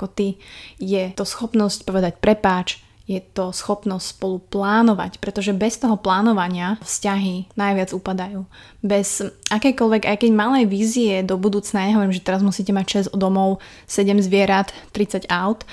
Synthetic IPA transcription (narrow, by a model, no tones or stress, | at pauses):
kɔt̪ijɛɔsxɔpnɔscpɔʋɛd̪acpɾɛpaːt͡ʃ | jɛt̪ɔsxɔpnɔscʲspɔluplaːnɔʋa̰cpɾɛt̪ɔʒɛbɛst̪ɔɦɔplaːnɔʋaɲɪafscaɦinajʋɪad͡zupad̪ajuː | bɛzakɛjkɔlʋɛɡa̰jkɛɟmalɛjʋiːziɛd̪ɔbud̪uːt͡snajaɲɛɦɔʋɔɾimʒɛt̪ɛɾazmusicɛmacʃɛzɔd̪ɔmɔʊ | sɛɟɛmzʋɪɛɾat̪ːɾit͡saɟaʊt̪